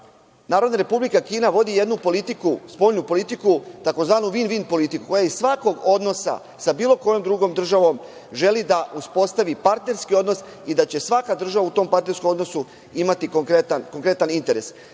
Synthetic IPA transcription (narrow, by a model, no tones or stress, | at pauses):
naːɾo̞d̪naɾe̞publikakiːnaʋo̞d̪ije̞d̪nupo̞lit̪ikuspo̞ʎnupo̞lit̪ikut̪ako̞zʋaːnuʋinʋiːnpo̞lit̪ikuko̞jaissʋako̞ɡo̞d̪no̞sa̰ | sabiːlo̞ko̞jo̞md̪ɾuɡo̞md̪r̩ʒaʋo̞m | ʒe̞lid̪aʔuspo̞st̪aʋipaɾt̪ne̞ɾskio̞d̪no̞s | id̪at͡ɕe̞sʋakad̪r̩ʒaʋaut̪o̞ːmpaɾt̪ne̞ɾskomo̞d̪no̞su | imat̪ikoŋkɾet̪anko̞ŋkɾe̞t̪anint̪e̞ɾe̞s